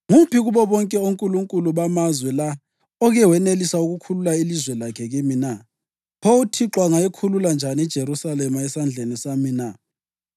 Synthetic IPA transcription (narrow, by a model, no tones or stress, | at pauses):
ŋupʰiɣuβɔβɔŋkʼɛuŋkʼuluŋkʼuluβamazwɛla | ɔɣɛwɛnelisauɣukʰululailizwɛlakʰɛɣimina | pʰoutʰiǁwaŋaekʰululand͡ʒʱanɛd̥ʒ̥ʱeɾusalɛmaɛsand͡ɮʱenisamina